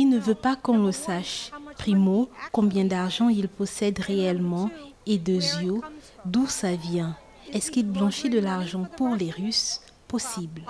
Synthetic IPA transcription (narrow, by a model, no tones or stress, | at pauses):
ilnəvøpakɔ̃ləsaʃpχimokɔ̃bjɛ̃d̪aʁʒɑ̃ilpɔsɛd̪ʁeɛlmɑ̃ed̪əzjo | d̪usavjɛ̃ | ɛskilblɑ̃ʃed̪əlaʁʒɑ̃puʁleʁys | pɔsibl